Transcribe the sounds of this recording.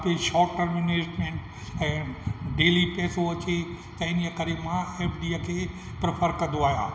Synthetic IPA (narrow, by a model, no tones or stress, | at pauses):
peʃɔːəɾmineːd͡ʒmẽɳʈ | ɛ̃ːɖeːlipɛːsoɐt͡ʃe | t̪ɐɪnijəkəɾemãeːpʰɖiːəkʰeː | pɾɪpʰəɾkɐ̃nd̪oaːɦjã̰ː